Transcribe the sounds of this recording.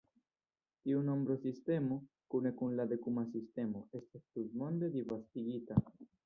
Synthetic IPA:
t̪iuno̞mbɾo̞sist̪e̞mo | kune̞kunlad̪e̞kumas̬ist̪e̞mo̞e̞st̪astut̪mo̞nd̪e̞d̪ivast̪iɡit̪a

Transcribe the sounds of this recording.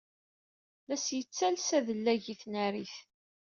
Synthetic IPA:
læsjət͡sːælsæðəlːæʝiθnæɾiθ

